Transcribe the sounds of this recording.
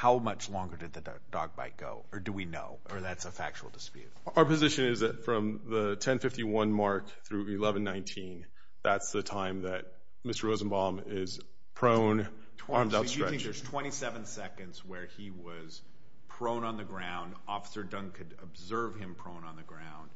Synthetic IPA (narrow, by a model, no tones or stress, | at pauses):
haʊmʌt͡ʃlɔ̃ŋɡə˞dɨd̪̚ðɨ | d̥ɔ̰ɡ̚ba̰ɪt̚ɡ̥o̰ʊə˞dɨwino̰ʊʔə˞ðætsəfæ̰k̚t͡ʃul̩ˠdəspjʉ̰t̚ə˞pɨzɪʃɨ̃nɪzðɨtfɹʌ̃mðətʰɛ̃nfɪftiwʌ̃nmɑɹk | θɹʉɪlɛvɨ̃n̩ːãɪ̃ntʰĩn | ðætsðɨtʰãɪ̃mðɨt̚ | mɪstə˞ɹoʊz̃n̩bɑ̃m | ɪz̥ | pʰɹ̥õʊ̃nʰ | ɑɹmdaʊstɹ̥ɛ̃ə˞z̥tʰw̥ɛ̃ɾ̃isɛvɨ̃nsɛkɨ̃ndzwə˞ | iwʌz̥ | pʰɹ̥õʊ̃nə̃nðɨɡɹãʊ̃nd | ɔfə̥sə˞dʌ̃nkʰɨɾəbzɜ˞v̥ɪ̃mpʰɹ̥õʊ̃nə̃nðɨɡɹãʊ̃nd̥